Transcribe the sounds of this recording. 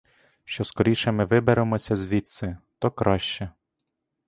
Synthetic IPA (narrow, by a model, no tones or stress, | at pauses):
ʃt͡ʃɔskɔɾʲiʃɛmɪʋɪbeɾemɔsʲɐzʲʋʲit̪sɪt̪ɔkɾɑʃt͡ʃɛ